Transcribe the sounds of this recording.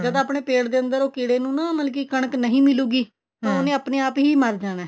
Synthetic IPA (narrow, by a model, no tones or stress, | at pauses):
d͡ʒəd̪aːpɳeːpeːɽd̪eːənd̪əɾoːkɪɽeːnũːnãːməlk̬iːkəɳ̃əknəɦĩːmɪluːɡiː | t̪ãːoːnẽːəpneːaːpɦiːməɾd͡ʒaːɽ̃ɛː